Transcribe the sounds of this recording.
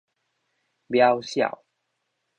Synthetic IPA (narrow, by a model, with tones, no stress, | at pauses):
bja˦wɕja̰˨˩w